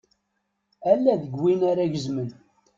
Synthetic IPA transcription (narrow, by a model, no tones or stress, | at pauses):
ælːæðəɡwinaɾæʝəzmən